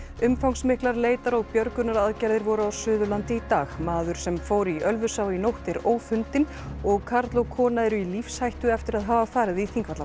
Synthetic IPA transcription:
ʏmfawŋsmɪhklaɾleːjt̪aɾɔɣpjœɾkʏnaɾaðcajɾðɪɾvɔɾʏawsʏːðʏlant̪ɪit̪aːɣmaːðʏɾ̥sɛmfoːwɾiʔœlvʏsaːwinowht̪ɛɾoːwfʏnt̪ɪn | ɔɣkʰaɾt̪lowkʰɔːnaɛɾʏilifshajht̪ʏɛft̪ɪɾaðɦaːvafaːɾɪðiθiŋkvat̪la

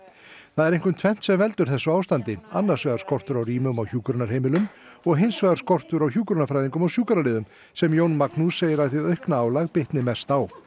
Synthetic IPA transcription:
θaðɛɾejŋkʏmt̪ʰvɛn̥t̪sɛmvɛlt̪ʏɾ̥θɛsːʏaːwst̪ant̪ɪanːaɾ̥svɛːðaɾskɔr̥t̪ʏɾawriːmʏmawçuːkɾʏnaɾ̥heːjmɪlʏm | ɔɣɦejnsvɛɣðaɾskɔr̥t̪ʏɾawçjuːkɾʏnafɾajðiŋkʏmawsjuːkaɾalɪːðʏm | sɛmjownmaknuseːjɪɾaðθiœɥhknaaːwlaɣpɪht̪nɪmɛst̪aw

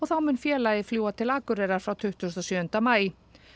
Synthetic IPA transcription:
ɔɣθawmʏnfjɛːlajðɪfljuːat̪ʰɪlaːkʏɾɛɾaɾ̥fɾawt̪ʰʏht̪ʏst̪ɔsʏːʏnt̪amaːj

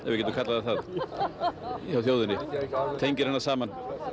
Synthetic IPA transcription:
ɛɾvɪcɛt̪ɾkʰat̪laðaθað | çawθjoːwðɪnɪt̪ʰejɲcɪɾ̥hanːasaːman

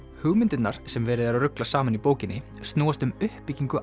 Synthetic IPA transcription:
hʏɣmɪnt̪ɪt̪naɾ̥sɛmvɛːɾɪðaðarʏklasaːmanipoːwcɪnːɪ | st̪noːast̪ʏmʏhppːiciŋkʏʔ

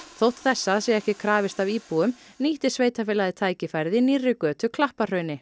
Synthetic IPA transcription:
θowht̪θɛsːaðsjɛɣɛhcɪkʰɾaːvɪst̪aviːpuʏm | niːht̪ɪ̥sveːjt̪afɪːlaðɪt̪ʰaːjcɪfajɾðɪnirːɪkœːt̪ʏkʰlahpar̥œːɥnɪ

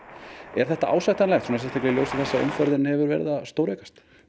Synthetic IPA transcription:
ɛɾ̥θɛht̪aʔa̰ːwsajht̪anlɛxt̪hunaɾsɛmst̪ʰaklɪljowsɪθɛsːao̰mfœɾðɪnhɛvʏɾvɛ̰ɾɪðast̪owɾɛkḁst̪

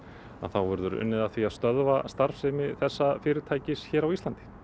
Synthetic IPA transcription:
a̰ðθawvɛɾðʏɾʏ̰nːɪðaθviaðst̪œðvast̪aɾ̥fsɛmɪθɛsːafɪːɾɪɾt̪ʰaːjcɪsçɛːɾawist̪lant̪ɪ̥

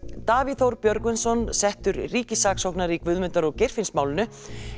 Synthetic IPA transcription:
t̪aːviθowɾpjœɾkʏnsɔnsɛht̪ʏɾriːcɪsaːksowhknaɾikvʏːðmʏnt̪aɾɔɣcejr̥fɪnsmaːwlɪnʏ

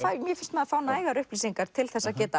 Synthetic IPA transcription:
θamjɛfɪn̥st̪mɛðafaːwnaaːjɣaɾʏhpliːsiŋkaɾ̥t̪ʰɪlθɛsːacɛːt̪a

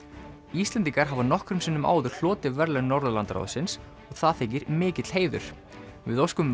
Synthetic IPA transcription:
ist̪ɛnt̪iŋkaɾ̥ɦavanɔhkɾʏmsɪnːʏma̰ːwðʏɾ̥l̥ɔːt̪ɪvɛɾlɛnɔɾðʏlant̪ɾa̰ðsɪns | ɔɣθaðθeːcɪɾmɪːcɪt̪l̥heːjðʏ̰ɾ̥ | vɪðowskʏm

